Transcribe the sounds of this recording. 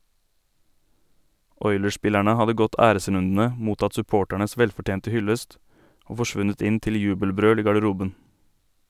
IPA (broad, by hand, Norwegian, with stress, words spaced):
ˈɔʏləˌʃpɪlæɳə ˈhɑdə ˈɡɔt ˈæːɾəˌsɾʉndn̩ə ˈmuːtɑt sʉˈpoːʈæɳəs ˈʋɛlfɔˌʈjeːntə ˈhʏləst ˈoː fɔˈʃʋʉnət ˈɪn ˈtɪl ˈjʉːbəlˌbɾøːl ˈiː ɡɑɖəˈɾuːbən